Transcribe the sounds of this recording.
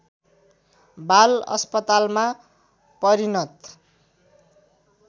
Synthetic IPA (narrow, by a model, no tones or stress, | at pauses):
balʌ̰spʌt̪alma | pʌɾinʌt̪